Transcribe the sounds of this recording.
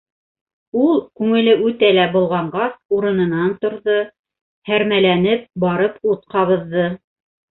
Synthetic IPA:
ulˠkʉŋɘ̆lɘʔʉt̪ælæbŏlˠʁɑɴɢɑsuɾɤ̆nɤ̆nɑnt̪ŏɾðo | hæɾmælænɘp̚bɑɾɤput̪̚qɑβɤ̆ðːɤ

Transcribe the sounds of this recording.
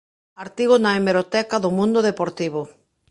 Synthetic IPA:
aɾt̪iɣʊnaemeɾot̪ɛkaðʊmũnd̪oðepoɾt̪iβo

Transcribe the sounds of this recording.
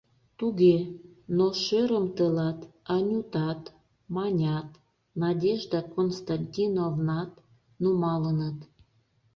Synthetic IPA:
t̪uɣenoʃøɾəmt̪əlɑt̪ɑnʲut̪ɑt̪ | mɑnʲɑt̪ | nɑdʲeʒd̪ɑkonst̪ɑnʲtʲinovnɑt̪ | numɑlənət̪

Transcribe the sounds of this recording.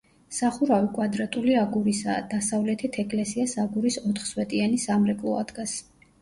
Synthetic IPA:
saχuɾavikʼwad̪ɾat̪ʼuliaɡuɾisa̰d̪̥asavlɛt̪ʰit̪ʰɛkʼlɛsiasaɡuɾisɔt̪ʰχswɛt̪ʼianisamɾɛkʼlˠɔ̰a̰d̪̥ɡas

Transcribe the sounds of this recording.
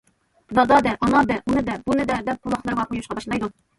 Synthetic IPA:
d̪ɑd̪ɑd̪ɛʔɑnɑd̪ɛʔunɨd̪ɛbunɨd̪ɛd̪ɛp̚bulˠɑχlˠɑɾʁɑqojuʃqɑbɑʃlˠɑjd̪u

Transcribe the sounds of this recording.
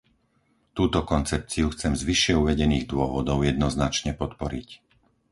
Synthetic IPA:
t̪uːt̪ɔkɔnt͡sɛp̚t͡siuxt͡sɛmzʋiʃɪɛuʋɛɟɛniːɣd̪ʊɔʋɔd̪ɔʊjɛd̪nɔznat͡ʃɲɛpɔt̪pɔɾic

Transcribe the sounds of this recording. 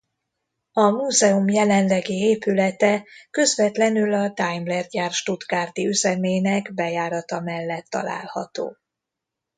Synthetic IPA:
ɒmuːzɛumjɛlɛnlɛɡieːpylɛt̪ɛkø̞zvɛt̪lɛnylɒd̪ajmlɛrɟaːrʃt̪ud̪ɡaːrd̪iyzɛmeːnɛɡbɛjaːɾɒt̪ɒmɛlːɛt̪ːɒ̰la̰ːlhɒ̰t̪o̰ː

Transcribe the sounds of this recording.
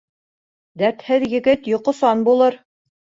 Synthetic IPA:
d̪æɾt̪hɘðjɘ̆ɡɘt̪jŏqŏsɑnbulˠɤɾ

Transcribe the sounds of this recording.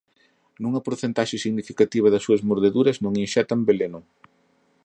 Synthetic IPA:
nuŋɐpoɾθent̪aʃɪsiɣnifikat̪iβ̞ɐðɐsːuɐzmoɾðeðuɾɐznũŋinʃɛt̪ɐmbelenʊ

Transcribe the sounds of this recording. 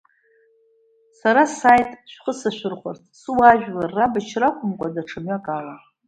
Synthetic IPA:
saɾasajtʼʃʷᶣχəsaʃʷᶣɪrχʷa̰rtʰsɨwaʒᶣlarːabat͡ʃʰrakʷʰʼʊmkʷʼadaʈ͡ʂʰamɥakʼala

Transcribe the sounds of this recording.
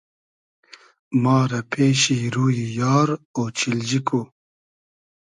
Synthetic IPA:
mɑːɾɐpʰeːɕiɾuːjijɑːɾoːt͡ʃild͡ʑikʰu

